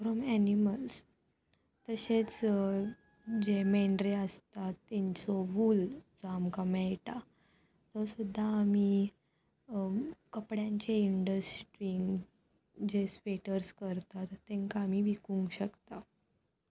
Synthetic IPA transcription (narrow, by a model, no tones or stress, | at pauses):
fɾɔmæniməls | t̪əɕet͡s | d͡ʑemeɳɖɾeəst̪at̪ːeɲt͡sɔʋuld͡zɔamkamɛjʈa | t̪ɔsud̪ʱːaːmi | kəpɽjãɲt͡ɕeiɳɖəsʈɾiŋɡ | d͡ʑespeʈəɾskəɾt̪at̪ːẽŋkaːmiʋikũŋɡɕəkt̪a